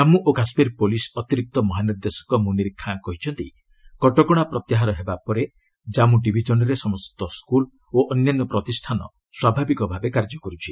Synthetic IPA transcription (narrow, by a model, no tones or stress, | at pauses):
d͡ʒamuʔokasmiɾpolisɔt̪iɾik̚t̪ɔmɔɦaniɾd̪esɔ̥kɔmũniɾikʰːãkɔɦit͡ʃʰɔnt̪i | kɔʈɔkɔɽ̃apɾɔt̪jaɦaɾɔɦebapɔɾe | d͡ʒamuʈibʱid͡ʒɔnɔɾesɔmɔst̪ɔskul | oʔɔnjanːɔpɾɔt̪isʈʰanɔ̰ | swabʱabikɔbʱabekaɾd͡ʒɔkɔɾut͡ʃʰi̥